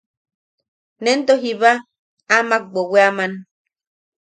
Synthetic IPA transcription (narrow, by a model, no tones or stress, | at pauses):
nent̪oɦiβa | amak̚ɡ͡boweaman